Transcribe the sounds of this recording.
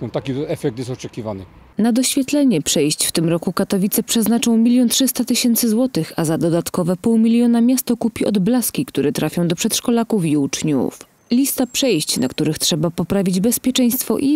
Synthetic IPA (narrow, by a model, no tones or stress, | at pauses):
ɔt̪akʲiɛfɛk̚t̪jɛst̪ɔt͡ʂɛkʲivanɘ | nad̪ɔɕfʲjɛt̪lɛɲɛpʂɛjɕt͡ɕft̪ɘmɾɔkukat̪ɔvʲit̪sɛpʂɛznat͡ʂɔ̃w̃mʲilʲjɔntʂɘst̪at̪ɘɕɛnt̪sɘzwɔt̪ɘxazad̪ɔd̪at̪kɔvɛpuwmʲilʲjɔnamʲjast̪ɔkupʲiɔd̪blaskʲikt̪uɾɛt̪ɾʔafʲjɔ̃w̃d̪ɔpʂɛt̪ʂkɔlakufiut͡ʂɲṵf | lʲist̪apʂɛjɕt͡ɕna̰kt̪uɾɘxtʂɛbapɔpɾavʲid͡ʑbɛspʲjɛt͡ʂɛj̃st̪fɔ̰ʔi